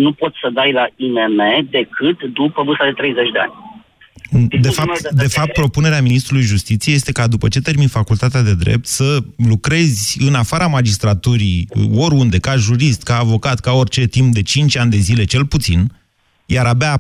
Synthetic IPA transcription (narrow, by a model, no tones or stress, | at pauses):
nupo̞t̪səd̪ajlaineme̞d̪e̞kʰɨt̪d̪upəbɨst̪ad̪e̞t̪ɾe̞jze̞t͡ʃʲd̪e̞a̰nʲ | d̪efat̪d̪e̞fap̚t̪̚pɾo̞pune̞ɾeaminist̪ɾulujʒust̪it̪sijejest̪e̞kad̪upət͡ʃe̞t̪e̞rminfakult̪at̪ead̪e̞d̪ɾḛp̚t̪səlukɾe̞zʲɨnafaɾamad͡ʒist̪ɾat̪uɾḭo̞ɾund̪e̞kaʒuɾist̪kaːvo̞kat̪kao̞rʲt͡ʃe̞t̪imp̚d̪e̞t͡ʃint͡ʃʲanʲd̪e̞zile̞t͡ʃe̞lput̪sin | jaɾaba